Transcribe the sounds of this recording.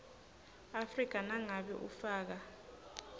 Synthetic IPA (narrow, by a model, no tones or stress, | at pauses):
afrik̬ʼanaŋaɓɛʔṵfaːk̬a